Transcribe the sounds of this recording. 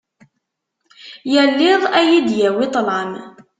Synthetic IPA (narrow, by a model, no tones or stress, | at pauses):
jælːɪðˤæjid̪jæwit̪ˤlɑm